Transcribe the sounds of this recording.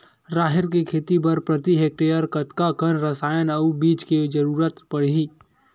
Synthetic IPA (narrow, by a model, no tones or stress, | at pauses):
ɾaːɦɪɾk̬ekʰeːt̪ipɐɾpɾɐt̪iɦeːk̚ʈejəɾkɐt̪kakənɾəsaːjənɐubiːt͡ʃked͡ʒɐɾuːɾət̪pɐɽ̤iː